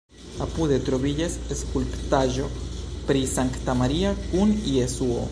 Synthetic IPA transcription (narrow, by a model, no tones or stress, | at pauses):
apuðet̪ɾoβiʎeseskulpt̪aʒopɾisaŋkt̪amaɾiakuniesuo̰